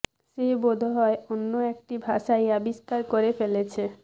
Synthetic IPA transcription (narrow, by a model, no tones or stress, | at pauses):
ʃebod̪ʱɦɔeonːoek̚ʈibʱaʃajabist̪aɾkoɾefelet͡ɕʰe